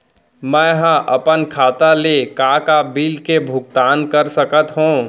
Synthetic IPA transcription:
mɛ̃ɦə̃ʔɐpənkʰaːt̪alekakabilkebʱʊɡ̚t̪aːnkəɾsəkət̪ɦũ

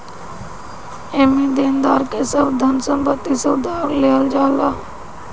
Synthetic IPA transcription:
eːmĩd̪eːnd̪aːɾkesəbd̪ʱənsə̃mpət̪ːiseʊd̪ʱaːɾleːəld͡ʒaːlaː

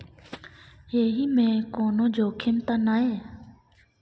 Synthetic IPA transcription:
eːɦiːmẽːkoːnõːd͡ʒoːkʰɪmt̪aːnaːɦeː

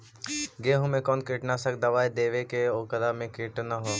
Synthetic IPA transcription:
ɡeːɦʊmẽkɔːnkɪʈnasɐk̚d̪ɐʋaːed̪eːʋekeoːkəɾamẽkɪʈnaɦoː

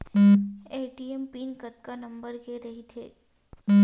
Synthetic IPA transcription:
eːʈiːempiːnkɐt̪̚kanɐ̃mbəɾkeɾɐɦit̪ʰeː

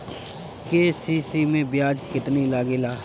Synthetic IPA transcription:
keːsiːsimẽbɪjaːd͡ʒkɪt̪nilaːɡeːlaː

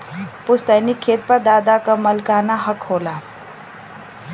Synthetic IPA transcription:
pʊst̪ənikʰːeːt̪̚pəd̪aːd̪akamɐlkaːnaɦəkhoːla

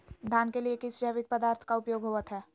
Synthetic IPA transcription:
d̪ʱaːnkeliekɪsd͡ʒɛːʋɪt̪̚pəd̪aːɾt̪ʰkaʊpjoːɡɦoːʋət̪ɦɛː

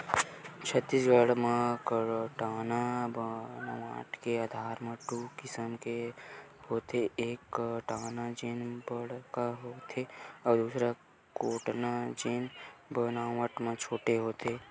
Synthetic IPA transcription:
t͡ʃʰət̪ːisɡəɽmãkʈaːnabnaa̰ːʈkeaːd̪ʱaːɾmẽʈukɪsəmke | ɦoːt̪eeːkʈaːnad͡ʒenbəɽkaɦoːt̪ʰeɔːɾd̪uːsɾa | koːʈnad͡ʒenbənaːwəʈmãt͡ʃʰoːʈeɦoːt̪ʰeː

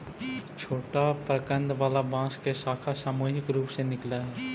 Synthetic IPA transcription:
t͡ʃʰoːʈapɾəkə̃nd̪ʋaːlabãːskesaːkʰasaːmuːɦɪkɾuːpsenɪklaɦɛː

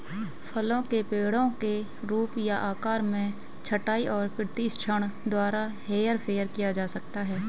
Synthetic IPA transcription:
pʰəlõkepeːɽõke | ɾuːpjaʔaːkaːɾmẽ | t͡ʃʰəʈaːiʔɔːɾpɪɾt̪ist͡ʃʰəɽ̃d̪waːɾaɦeːjəɾpʰeːəɾkijad͡ʒaːsək̚t̪aɦɛː

